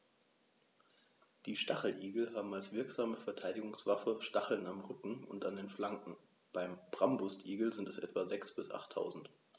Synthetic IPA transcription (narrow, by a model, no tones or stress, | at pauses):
d̥iːʃtaχl̩ʔiːɡl̩ɦaːbm̩alsv̥ɪɐkz̥aːməfɛɐtʰaɪdɪɡʊŋsv̥afəʃtaχl̩namʁʏkŋ̩ʊ̰ntandeːnflaŋkŋ̩ | b̥aɪmb̥ʁambʊstʔiːɡl̩zɪntɛsʔɛ̰tv̥azɛksb̥ɪsʔa̰χtʰːa̰ʊzn̩t